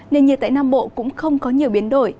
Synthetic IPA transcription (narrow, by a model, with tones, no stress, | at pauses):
ne˧˩nɲi˨˩t̪̚a̰ː˧˨naː˧mɓo̰˧˨kʊ̰˧˥ŋ͡mxə˧wŋ͡mkɔ˨˦ɲi˨˩əwɓi˨˦ənɗo˧˩j